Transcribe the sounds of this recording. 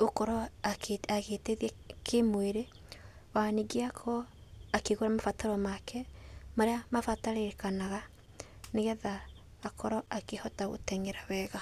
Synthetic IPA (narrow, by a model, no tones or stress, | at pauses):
okɔɾɔ | aɣeteðiɛ | kʰemweɾe | waniɡeakʰɔakeɣoɾamafataɾɔmakʰɛmaɾeamafataɾeɾekanaɣa | neɣɛðaː | kɔɾɔʔakehɔtaɣo̰tɛŋeɾawɛɣa